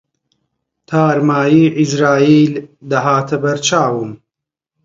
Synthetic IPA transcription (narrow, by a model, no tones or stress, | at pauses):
t̪ʰaːɾmaːjiːʔizɾaːiːld̪ɐɦaːt̪ʰɐbɐɾt͡ʃaːwɨm